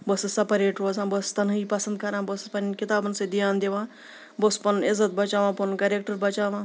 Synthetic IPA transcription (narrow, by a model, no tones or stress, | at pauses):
bəssɐpɐɾeːʈɾoːzãːbəst̪ɐnipɐsɐnd̪̚kʰɐɾãːbəspɐnkit̪aːbənsed̪ijaːnd̪eʋãː | bəspɐnɪzət̪̚bɐt͡ʃaːʋãːpɐnkɐɾek̚ʈəɾbɐt͡ʃaːʋãː